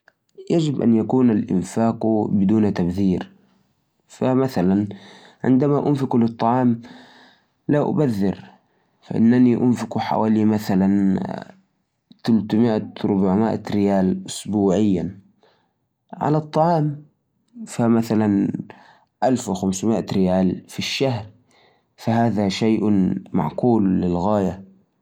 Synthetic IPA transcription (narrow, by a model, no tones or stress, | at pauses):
jad͡ʒɪbʔa̰njakuːnalʔɪ̰nfaːqubɪd̪uːnt̪abðiːɾ | famaθalan | ʕɪ̰nd̪amaʔʊnfɪklɨt̪ˤːɑʕɑːm | laʔʊ̰baðːɪ̰ɾ | fa̰ʔɪ̰nːaniʔʊnfɪkuħa̰waːlimaθalan | t̪alt̪mɪʔaɾʊbaʕmɪʔa̰ɾɪjaːlʔʊsbuːʕɪjːa | ʕa̰lat̪ˤːɑʕɑːm | famaθalan | ʔalfwɪxamsmɪʔaɾɪjaːlfiʃːahɾ | fahaːðaʃajʔma̰ʕquːlːɪlɣaːja